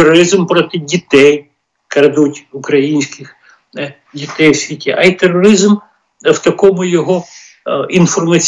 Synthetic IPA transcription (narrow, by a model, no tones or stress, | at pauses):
erɔɾɪzmpɾɔt̪ɪdʲit̪ɛj | kɐɾd̪utʲʊkɾɐjinʲsʲkɪx | dʲit̪ɛjsʲʋʲitʲiʔɐit̪erːɔɾɪzm | wt̪ɐkɔmʊjɔɦɔ | infɔrmɐt͡sʲ